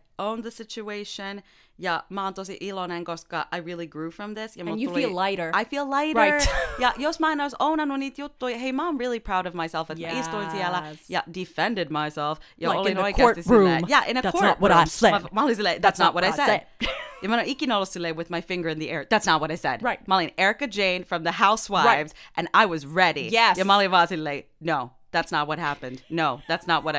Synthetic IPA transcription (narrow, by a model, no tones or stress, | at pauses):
õʊ̃nðɨsɪt͡ʃueɪʃɨ̃n | jæmɑ̃nt̪osiʔilˠɔnæ̃ŋɡoskɑʔaɪɹɪlˠiɡɹʉfɹʌ̃mðɪsjam̃njɨlillˠaɪɾə˞aɪfilˠlaɪɾəaɪjæjoʊsmãɪ̃naɪzõʊ̃naɪnõnitjo̥oɦeɪmãɪ̃mɹɪlˠipʰɹ̥aʊɾʌvmaɪsɛlˠfɨtsistõsiɛlˠə̥jædɨfɛ̃ndɨd̚maɪsɛlˠfjɨõinoaɪɡkʰɔɹtðɨsɹumjæʔɪ̃nɨkæɔɹət̚wʌɾaɪɛmɑlˠisileɪðætsnət̚wʌɾaɪsɛdjɨmãnõikinoʊl̩ˠsileɪwɨðmaɪfɪ̃ŋɡə˞ɨ̃nðiɛɹðætsnət̚wʌɾaɪsɛ̰d̥̚ɹaɪt̚mɑlˠĩnɛɹɨkɨd͡ʒẽɪ̃nfɹʌ̃mðɨhaʊswaɪvzʔɨ̃naɪwʌzɹɛɾijɛjɨmɑlˠivɑzileɪ | noʊ | ðætsnət̚wʌt̚ɦæpɨ̃nd̥noʊðætsnət̚wʌɾa